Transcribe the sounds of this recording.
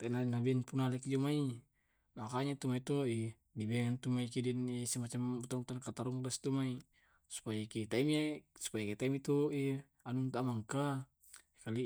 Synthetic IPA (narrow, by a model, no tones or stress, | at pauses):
t̪ainanabianpunalɛkd͡ʒɔmai | makaɲat̪umait̪ɔi | dibɛŋant̪umaikidinisɛmat͡ʃamut̪aŋut̪ankat̪aɾuŋlast̪umai | su̥pajakɛt̪aimiasu̥pajakɛt̪aimit̪ɔi | anunt̪amaŋka | kali